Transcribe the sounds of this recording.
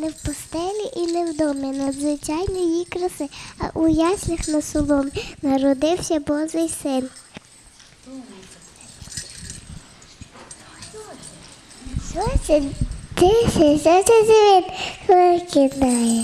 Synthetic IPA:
nɛwpɔst̪ɛlʲiʔinɛwd̪ɔmɛnɐd̪zʋɪt͡ʃɑjnɔjikɾɐsɪɐ̰ʔujɑsʲlʲɐxnɐsʊlˠɔmnɐɾɔd̪ɪwsʲɐbɔzɪjsɪn | ʃɔt͡ʃɛt̪ɪʃɛʃɔt͡ʃɛzʲiʋʲit̪ekɪd̪ajɛ

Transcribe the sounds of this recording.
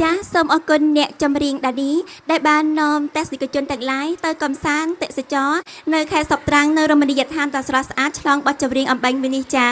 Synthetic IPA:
t͡ɕaːsoːmʔɑːkunːɛ̆əʔt͡ɕɑmriəŋɗaːniːɗaɛlɓaːnːɔəmt̪ɛ̆əhsikʰiət͡ɕʊənt̪ɛəŋlaːjt̪ɨwkɑmsaːnt̪eʔsat͡ɕɑːnɨwkʰaɛt̪sop̚t̪raŋnɨwromənijaːt̪ʰaːnɗɑsrɑsʔaːt̪̚t͡ɕʰlɑːŋɓɑt̪̚t͡ɕɑmriəŋʔɑmɓəŋmɨəniht͡ɕaː

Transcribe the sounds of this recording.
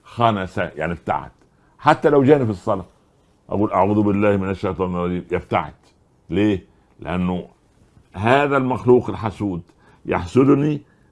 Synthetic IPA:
xænæsæja̰ʕnibt̪a̰ʕa̰t̪ | ħat̪ːælæwd͡ʒæːnifisˤːɑlɑː | ʔa̰ɡuːlʔaʕuːðbɪlːæːhmɪnaʃːajt̪ˤɑːnrˤːɑd͡ʒiːmʔeft̪a̰ʕ̰t̪ | leː | lɪ̰ʔænːʊ | ɦæːðælmaxluːqɪlħasuːd̪ | ja̰ħsʊd̪ni

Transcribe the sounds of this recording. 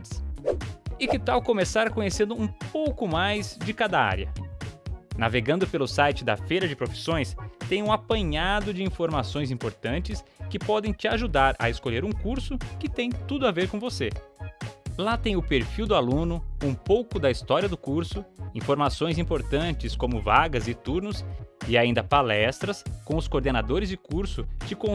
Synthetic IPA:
ɪ̥s | ɪkɪt̪awkomesaɾkõɲesẽnd̪ʊũpowkʊmajzd͡ʒɪkad̪ɐa̰ɾjɐ̰ | na̰veɡɐ̃nd̪ʊpelʊsajt͡ʃɪd̪ɐ̰fejɾɐd͡ʒɪpɾofi̥sõj̃st̪ẽj̃ũapɐ̃ɲad̪ʊd͡ʒɪĩfoɾmasõj̃zĩmpoɾt̪ɐ̃nt͡ʃɪskɪpɔd̪ẽj̃t͡ʃɪaʒud̪aɾɐ̰eskoʎeɾũkuɾsʊkɪt̪ẽj̃t̪ud̪ʊaveɾkõvose | lat̪ẽj̃ʊpeɾfiwd̪ʊalũnʊũpowkʊd̪ɐist̪ɔɾiɐd̪ʊkuɾsʊĩfoɾmasõj̃zĩmpoɾt̪ɐ̃t͡ʃɪskõmʊvaɡɐzɪt̪uɾnʊsɪaĩnd̪ɐpalɛst̪ɾɐskõw̃ʊskoɾd̪enad̪oɾɪzd͡ʒɪkuɾsʊt͡ʃɪkõ

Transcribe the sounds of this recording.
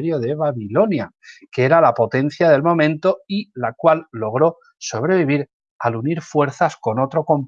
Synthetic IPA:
ɾjoðe̞βaβilo̞nja | keeɾalapo̞t̪e̞n̟θjaðe̞lmõ̞mẽnt̪o̞ilakwalːo̞ɣ̞ɾo̞ | so̞β̞ɾe̞β̞iβ̞iɾ | aluniɾfwe̞ɾθasko̞no̞t̪ɾo̞ko̞mp

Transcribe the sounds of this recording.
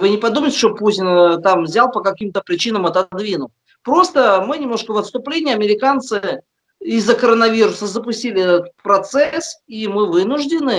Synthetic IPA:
vɨnʲɪpɐd̪uməɪtʲɪ̥ʂt̪oputʲɪnt̪amvzʲalˠpəkɐkʲimt̪əpɾʲɪt͡ɕinəmɐt̪ɐd̪vʲinʊlˠ | pɾo̞st̪əmɨnʲɪmnoʂkəvət̪st̪ʊplʲenʲɪjəɐmʲɪɾʲɪkant̪sɨ | ɪzːəkəɾənɐvʲiɾʊsəzəpʊsʲtʲilʲɪɛt̪ət̪̚pɾɐt̪sɛsimɨvɨnʊʐdʲɪnɨ

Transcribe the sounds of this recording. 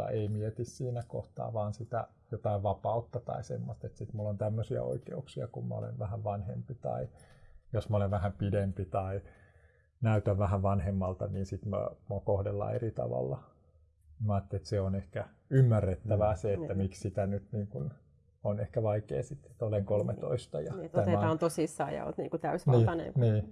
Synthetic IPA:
ɑ̰ʔeimiet̪issiːnæko̰ht̪ɑ̰ːʋɑːnsit̪æ̰ | jot̪ɑiʋʋɑpɑut̪ːɑt̪ɑ̰isḛmːost̪et̪sit̪mulːont̪æmːøsiæ̰o̰ikḛuksiɑkummɑ̰o̰lḛʋʋæhæʋʋɑnhḛmpit̪ɑ̰ijosmɑoleʋʋæhæmpidempit̪ɑi | næyt̪æʋʋæhæʋʋɑnhemːɑlt̪ɑniːnsit̪mɑ̰mokohdelːɑ̰ḛrit̪ɑ̰ʋɑ̰lːɑ | imæɑːt̪ːelet̪seonehkæ | ymːærːet̪ːæʋæseet̪ːæmikssit̪ænyt̪niːŋkun | onehkæʋɑikḛːsit̪ːe̥t̪oleŋkolmet̪o̰ist̪ɑjɑt̪æeɑːnt̪osisːɑ̰ːjɑ̰o̰lt̪nḭːŋkut̪æysʋnilːɑnḛniː

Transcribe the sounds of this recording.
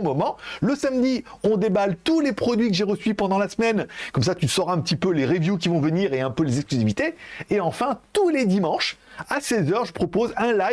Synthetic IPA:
mɔmɑ̃ləsamd̪iɔ̃d̪ebalt̪ulepχɔd̪ɥikəʒeʁəsɥipɑ̃d̪ɑ̃lasəmɛnkɔms̬at̪ysɔʁɛ̃pət̪ipøleʁevjuk̬ʲivɔ̃vəniʁeɛ̃pølezɛksklyzivit̪eːɑ̃fɛ̃t̪uled̪imɑ̃ʃasɛzœʁʒəpχɔpozɛ̃la

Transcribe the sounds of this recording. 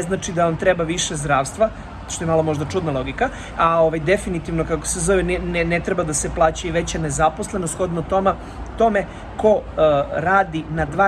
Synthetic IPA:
znaːt͡ʃid̪aʋamt̪ɾebaʋiʃezd̪ɾaːʋst̪ʋa | ʃt̪oemalˠo̞mo̞ʒd̪at͡ʂud̪nalˠo̞ɡika | ao̞ʋajd̪e̞finit̪iʋnokako̥sezo̞ʋennnet̪ɾebad̪aseplˠaːt͡ɕuiʋe̞t͡ɕane̞zaposlˠe̞nost̪xo̞d̪not̪ome | t̪o̞me̞ | ko̞ɾaːd̪inad̪ʋa

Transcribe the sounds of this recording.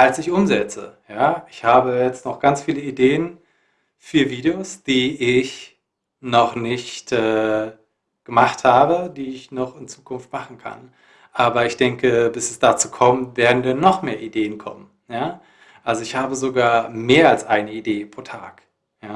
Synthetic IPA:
ʔalsɪçʔʊmzɛt͡sə̰jaːʔɪçhaːbəjɛt͡stnɔχɡ̥ant͡sfiːləideːən | fyːɐviːdeoːsd̥iːɪç | nɔχnɪçtʔɛː | ɡ̥əmaχthaːbədiːɪçnɔχɪnt͡suːkʰʊnftmaχn̩kʰa̰n | ʔaːbɐɪçd̥ɛŋkəbɪsɛsd̥at͡suːkʰɔmtv̥eːɐdn̩dɛnːɔχmeːɐʔideːənkʰɔ̰mən | jaː | ʔalzoɪçhaːbəzoɡaːɐmeːɐalsʔaɪnəideːpʁ̥oːtʰa̰ːk | jaː

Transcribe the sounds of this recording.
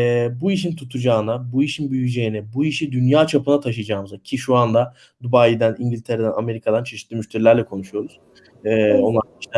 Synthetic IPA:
ɛbuiʃ̬int̪ʰut̪ʰud͡ʒaːɯnabuiʃinbyjyd͡ʒe̞jinɛbuiʃid̪ynjaːt͡ʃʰapɯnat̪ʰaʃɯjd͡ʒaːmɯzacʰiʃuand̪a | d̪ubajid̪ænʔiɲɟilʲt̪ʰe̞ɾed̪æname̞ɾikʰad̪ant͡ʃʰe̞ʃit̪ʰːiːmyʃt̪ʰeɾilʲæɾlʲɛkʰo̞nuʃujo̞ɾuz̥ | ɛːo̞nlˠaɾiʃt̪ɛ

